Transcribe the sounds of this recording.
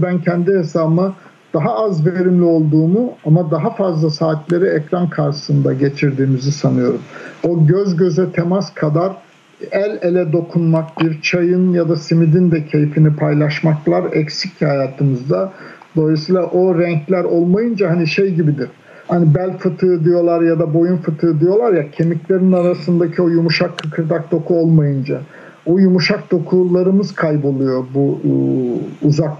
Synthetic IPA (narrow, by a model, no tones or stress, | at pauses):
bæncʰɛnd̪ihe̞saːbɯma | d̪̥aɦaːzveɾimlʲio̞lˠd̪uːmuamad̪aɦafazlˠasaːt̪ʰlʲe̞ɾiɛcɾankʰaɾʃɯ̥sɯnd̪aɟe̞t͡ʃʰiɾd̪iːmizisanɯjo̞ɾumo̞ɟøzɟø̞zɛt̪ʰemaskʰad̪aɾ | ælʲelʲɛd̪o̞kʰunmak̚biɾt͡ʃʰajɯnjad̪asimid̪ind̪ɛcʰe̞jfinipʰajlˠaʃmaklˠaɾɛcsic̚hajaːt̪ʰɯmɯzd̪a | d̪o̞lˠisiːlʲˠaʔo̞ɾɛɲclʲæɾolˠmajɯnd͡ʒaɦaniʃejɟibid̪iɾ̥ | hanibælʲfɯt̪ʰɯːd̪ijo̞lˠaɾjad̪abo̞junfɯt̪ʰɯːd̪ijo̞lˠaɾjacʰe̞miclʲe̞ɾinaɾasɯnd̪acʰio̞jumuʃakʰːakʰɯɾd̪ak̚d̪o̞kʰuolˠmajɯnd͡ʒa | ojumuʃak̚d̪̥o̞kʰulˠaɾɯmɯz̥kʰajbo̞lˠujo̞bu | zak